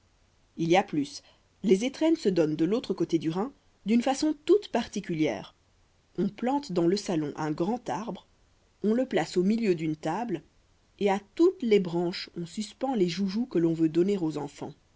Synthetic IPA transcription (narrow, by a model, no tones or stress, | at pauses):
iliaplys | lezet̪χɛnsəd̪ɔnd̪əlot̪χəkot̪ed̪yʁɛ̃ | d̪ynfasɔ̃t̪ut̪paʁt̪ikʲyljɛ̰ːʁ | ɔ̃plɑ̃t̪d̪ɑ̃ləsalɔ̃ʔɛ̃ɡʁɑ̃t̪aʁbʁ | ɔ̃ləplasomiljød̪ynt̪abl | eat̪ut̪lebʁɑ̃ʃɔ̃syspɑ̃leʒuʒukəlɔ̃vød̪ɔneʁozɑ̃fɑ̰̃